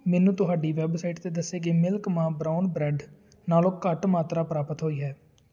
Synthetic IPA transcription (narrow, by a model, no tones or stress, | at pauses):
mɛːnũːt̪ʊɦaːɖiːʋɛːbsaiʈt̪eːd̪əsːeːɡeːmɪlkmãːbɾaːʊnbɾɛːɖ | naːlõːkəʈmaːt̪ɾaːpɾaːpət̪ɦoːiːɦɛː